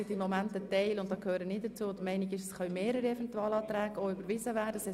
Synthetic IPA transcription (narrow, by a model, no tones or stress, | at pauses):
ɪdimomæntətɛɪlʊntd̥ɑkhøːɾənɪt̚dət͡suːd̪əmɛɪnɪɡɪʃəsχœɥmeːɾəɾəɛvɛntuɑːlɑːt̪ɾæːɡ̥əoybəɾvɪzəvæːdəsɛ